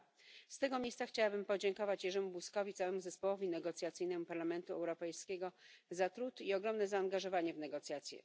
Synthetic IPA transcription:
st̪ɛɡɔmʲjejst̪saxt͡ɕawabɘmpɔd͡ʑɛŋkɔvat͡ɕjɛʐɛmubuskɔvʲit̪sawɛmuzɛspɔwɔvʲinɛɡɔt̪sʲjat̪sɘjnɛmupaɾlamɛnt̪uɛwɾɔpɛjskʲɛɡɔzat̪ɾut̪iɔɡɾɔmnɛzaːŋɡaʐɔvaɲɛvnɛɡɔt̪sʲjat̪sʲjɛ̰

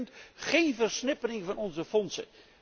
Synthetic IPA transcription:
ntχejnvərsnɪpərɪŋvɑnɔnzəfɔnsə̰

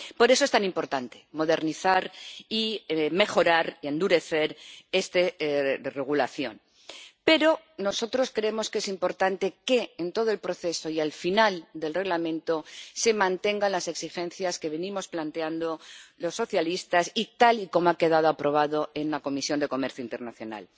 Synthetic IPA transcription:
po̞ɾe̞soe̞st̪animpo̞ɾt̪ant̪e̞̥mo̞ðe̞ɾniθaɾime̞xo̞ɾaɾiend̪uɾe̞θe̞ɾe̞st̪ere̞ɣ̞ula̰θjo̞̰n | pe̞ɾo̞ | no̞so̞t̪ɾo̞skɾeemo̞skee̞simpo̞ɾt̪ant̪e̞ke̞ːnt̪o̞ð̞oe̞lpɾo̞θe̞so̞ialfinald̪e̞lre̞ɣlamẽnt̪ose̞mãnt̪e̞ŋɡanlase̞ksixẽ̞nθjaske̞βe̞nĩmo̞splant̪eand̪o̞lo̞sːo̞θjalist̪asit̪aliko̞moake̞ðað̞oapɾo̞β̞aðo̞e̞nlako̞misjo̞nd̪e̞ko̞me̞ɾθjoint̪e̞ɾnaθjo̞̰na̰l

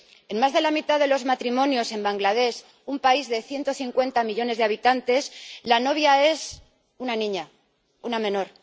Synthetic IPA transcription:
e̞nmazðe̞lamit̪aðe̞lo̞zmat̪ɾimõ̞njo̞se̞mbaŋɡlað̞e̞s | umpaizðe̞θje̞nt̪o̞θiŋkwe̞nt̪amiʎo̞ne̞zðaβ̞it̪ant̪e̞slano̞β̞jae̞s | unanĩɲa | unamẽ̞no̞ɾ

